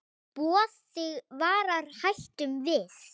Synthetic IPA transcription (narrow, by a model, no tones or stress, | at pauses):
pɔːθ | ɪɣvaːɾaɾ̥hajl̥t̪ʏmvɪð